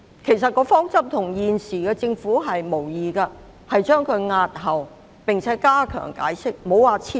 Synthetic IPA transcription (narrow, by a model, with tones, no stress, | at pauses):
kʰe˨˩jsɐ˨t̚kɔː˧fɔː˥ŋt͡sɐ˥p̚t̪ʰʊ˨˩ŋjiː˨nsiː˨˩kɛː˧t͡sɪ˧ŋfuː˨˥ɦɐ˨jmo˨˩wjiː˨kɐː˧ | hɐ˨jt͡ʃœː˥ŋkʰɵ˨˧ɥŋaː˧t̚ɦɐ˨w | pɪ˨ŋt͡sʰɛː˨˥kaː˥kʰœ̰ː˨˩ŋka̰ː˨˥jsɪ˥k̚mo˨˥wwaː˨˧t͡sʰi˥